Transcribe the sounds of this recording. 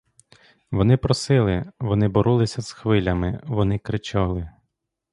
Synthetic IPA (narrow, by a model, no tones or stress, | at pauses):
ʋɔnɪpɾɔsɪlˠɪʋɔnɪbɔɾʔulˠɪsʲɐz̥xʋɪlʲɐmɪ̰ʋɔnɪkɾɪt͡ʃɑlˠɪ